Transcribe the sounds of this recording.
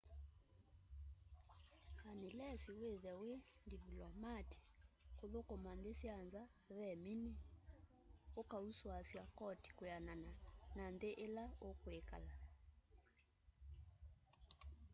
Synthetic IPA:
anelɛsiweðɛwendivlɔmati̥koðokɔmandesianza | βɛmine | okauswasjakɔti̥kojanananandeʔelaokoeka̰la

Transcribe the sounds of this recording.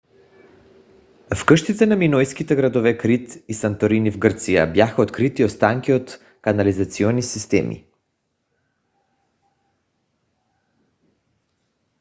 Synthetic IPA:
fkrʃt̪it̪sɛnaminɔjskit̪ɛɡɾad̪ɔvɛkɾit̪isant̪oɾinivɡrt̪sija̰bjaxaot̪kɾit̪iost̪aŋkiot̪ | kanalizat̪siɔnisist̪ɛ̰mḭ

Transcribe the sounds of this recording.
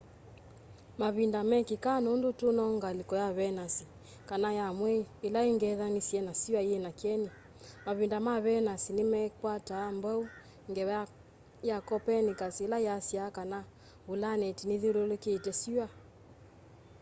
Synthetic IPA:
maβindamɛkikanundutunɔŋɡalikɔjaβɛnasi | kanajamwɛiːlaiŋɡɛðanisiɛnasiwaiɛnakɛni | maβindamaβɛnasinimɛkwataːmbɔu | ŋɡɛ | jakɔpɛnikasiilaasiakana | βulanɛtiniðilulukiitɛsiwa

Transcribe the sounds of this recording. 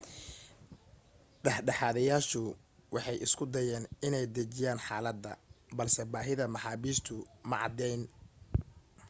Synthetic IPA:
ɖɑħɖɑħɑːðɐjaːʃʊ | wɑħɑjʔɪskʰʊd̪ɐjɛːnɪnɛjd̪ɐt͡ʃɪjaːnħaːlɐd̪ːɐ̰bɐlsɛbaːɦɪðɐmɑħɑːβiːst̪ʰʊmɐʕɑ̰d̪ɛjn

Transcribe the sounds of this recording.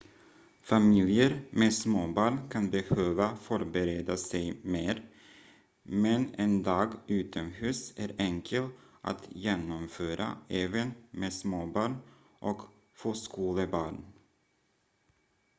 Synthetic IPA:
famɪljəɾmesmoːbɑːɳkʰanbɛhøːvafɔɾbɛɾeːd̪asɛjmeːɾ | mɛnɛnd̪ɑːɡʉ̟ːt̪ʰɔmhʉ̟ːsæɾɛŋkʰəlʔa̰t̪jeːnɔmføːɾʔa̰ɛːvənmeːsmoːbɑːɳ | ʔɔk | foːskuːləbɑːɳ

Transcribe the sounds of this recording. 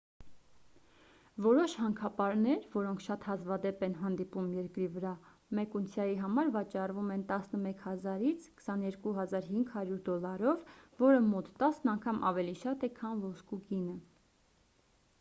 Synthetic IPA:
vɔɾɔʃhɑŋkʰɑpɑɾnɛɾvɔɾɔŋkʰʃɑt̪hɑzvɑd̪ɛpɛnɦɑnd̪ipumjɛɾkɾivəɾɑ | mɛkunt͡sʰjɑjiɦɑmɑɾvɑt͡ʃɑrvumɛnt̪ɑsnəmɛkʰhɑzɑɾit͡sʰkʰə̥sɑnjɛɾkuɦɑzɑɾɦiŋɡhɑɾjuɾd̪ɔlɑɾɔvːɔɾəmɔt̪ːɑsnɑŋkʰɑmʔɑvɛliʃɑt̪ɛkʰɑnvɔskuɡinə

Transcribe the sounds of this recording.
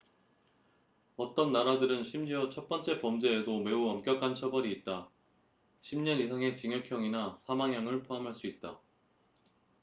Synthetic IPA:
ʌt͈ʌnːaɾadɯɾɯnɕʰimd͡ʑiʌt͡ɕʰʌt̚p͈ʌnt͡ɕ͈e̞pʌmd͡ʑe̞ːdome̞uʌmk͈jʌkʰant͡ɕʰʌbʌɾiːt̚t͈a | ɕʰimɲʌnisʰaŋe̞t͡ɕiŋjʌkʰjʌŋinasʰamaŋɦjaŋɯɭpʰoamɦaɭs͈uit̚t͈a

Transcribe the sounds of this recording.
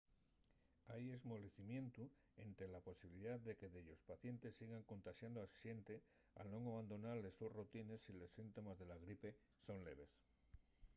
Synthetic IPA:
aje̞zmoβɾeθimjẽ̞nt̪u | e̞nt̪ɾelapo̞siβiliðaððe̞ke̞ðeʎo̞spaθje̞nt̪e̞sːiɣaŋko̞nt̪aʃjand̪oasʃje̞nt̪e̞ | a̰lnõ̞ŋaβand̪onaɾle̞susrot̪ine̞sile̞sːint̪o̞mazðe̞laɣ̞ɾipe̞ | so̞nle̞β̞e̞s

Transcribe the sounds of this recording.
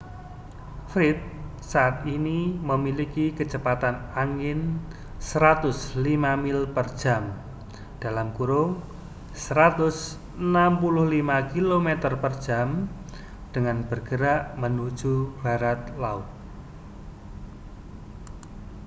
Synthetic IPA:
fɾɪt̪̚ | saʔːt̪iniməmilikikət͡ʃəpat̪anaŋɪn | səɾat̪ʊslimamilpərd̥ʒ̥am | d̥alamkuɾʊŋ | səɾat̪ʊs | ənampulʊhlimakilomet̪ərpərd̥ʒ̥am | d̥əŋanb̥ərɡ̥əɾaʔmənu̥d͡ʒ̥ub̥a̤ɾat̪̚laʊt̪̚

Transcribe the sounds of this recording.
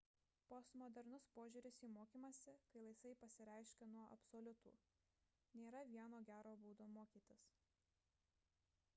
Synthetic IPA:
post̪mɔd̪ʲɛɾnʊspoːʒʲuːɾʲɪsiːmoːkʲiːmɐsʲɪkɐɪlˠɐɪsɐɪpɐsʲɪɾʲɛˑɪʃʲkʲɛnuɔʔɐ̰psolʲʊt̪ṵː | nʲeːɾɐʋʲiɛnoːɡʲæːɾoːbuːd̪oːmoːkʲiːt̪ʲɪs

